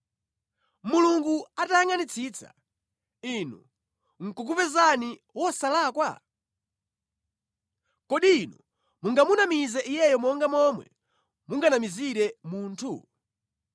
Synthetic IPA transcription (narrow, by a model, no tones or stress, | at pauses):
muluŋɡuatajaŋanit͡sʰit͡sʰa̰ | inu | ŋ̩kukupɛzani | wɔsalaːkwa̰ | kɔɗiːnu | muŋɡamunamizɛʔijɛjɔmɔŋɡamɔmwɛ̰ | muŋɡanamiziɾɛmuːntʰṵ